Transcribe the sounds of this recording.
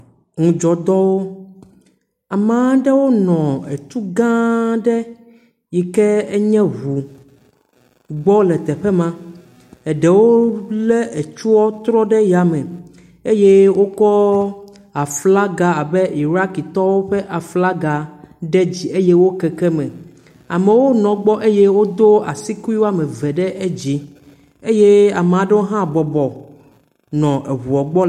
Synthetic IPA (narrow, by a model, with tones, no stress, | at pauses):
ŋũ˨d͡ʒɔ˨d̪ɔ˦wo˦ | a˨mã˦ɖɛ˦wo˦nɔ̃˨ɛ˨t̪u˦ɡã˦ɖɛ˦ | ji˨kɛ˦ɛ˦ɲɛ̃˦βu˨ | ɡ͡bɔ˦lɛ˨t̪ɛ˨ɸɛ˦mã˦ | ɛ˨ɖɛ˨wo˦lɛ˦ʔe˨t͡ʃu˦wɔ˦t̪ɾɔ˦ɖɛ˦ja˨mɛ̃˨ | e˦jɛ˦wo˦kɔ˦ | a˨fla˦ɡa˨a˨be˦ʔi˨ɾa˦ki˨t̪ɔ˦wo˦ɸɛ˦ʔa˨fla˦ɡa˨ɖe˦d͡ʑi˨e˦jɛ˦wo˦kɛ˨kɛ˦mɛ̃˨ | a̰˨mẽ˨wo˦nɔ̃˨ɡ͡bɔ˦ʔe˦jɛ˦wo˦d̪o˦a̰˨si˦ku˦i˦wo˦a˦mẽ˨vɛ˨ɖɛ˦ʔe˦d͡ʑi˨ | e˦je˦a˨me˨a˨ɖɛ˦wo˦ɦã˦˨bɔ˨bɔ˨ | nɔ̃˨ʔe˨ɦu˨ɔ˨ɡ͡bɔ˦